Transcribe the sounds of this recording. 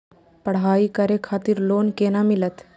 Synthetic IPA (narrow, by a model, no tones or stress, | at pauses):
pɐɽ̤aːikəɾekʰaːt̪iɾloːnkeːnamɪlət̪